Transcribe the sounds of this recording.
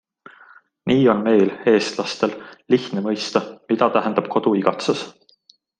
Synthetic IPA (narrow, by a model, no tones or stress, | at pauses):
niːo̞nme̞jle̞ːst̪lɑst̪e̞lliçt̪nemɤjst̪ɑmit̪ɑt̪æɦɛnd̪ɑb̥̚ko̞d̪̥uiɡ̥ɑt̪ses